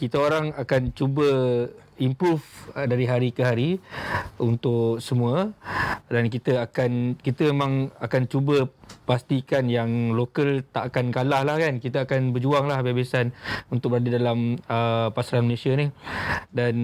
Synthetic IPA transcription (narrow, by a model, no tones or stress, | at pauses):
kit̪əoɾaŋakant͡ʃubə | impɾufdaɾiɦaɾikəɦaɾi | unt̪ʊksəmũə | dankit̪əakankit̪əmemãŋakant͡ʃubəpast̪ikanjaŋlokəlt̪aʔkankalahlahkankit̪əakanbərd͡ʒuaŋlahbebasanunt̪ʊk̚bəɾadadalaməpasalanməlesianihdan